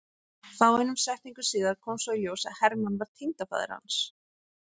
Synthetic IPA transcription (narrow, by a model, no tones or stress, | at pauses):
θaːwejnʏmsɛht̪niŋkʏsiːðaɾkʰɔːmsvailjowsaðhɛɾmanvaɾ̥t̪ʰint̪afa̰ːðɪ̰ɾha̰ns